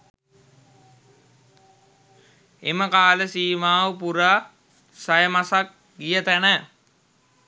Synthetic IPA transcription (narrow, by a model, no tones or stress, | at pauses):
ḛməkaːləsiːmaːʋəpuɾaː | sajəmasak̚ | ɡijət̪ænə